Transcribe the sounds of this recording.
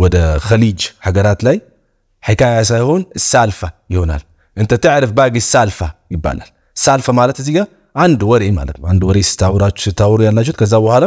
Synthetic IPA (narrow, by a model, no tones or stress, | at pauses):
wɔd̪əxɐlid͡ʒħaɡəɾat̪laj | ħikʰajas̬ajhonɨsalfajɪhona̰l | ʔɨnt̪ʰət̪ɨʕɾɨfbaɡɨsːalfajɪbːa̰la̰l | ɨsːalfamalət̪ɨziɡa | ʕand̪wɔɾema̰lə̰t̪nʕand̪wɔɾesɨ̥t̪ʰːawɾat͡ʃːsɨt̪ʰːawɾujalːat͡ʃːut̪kʰɐzːawɐhalɐ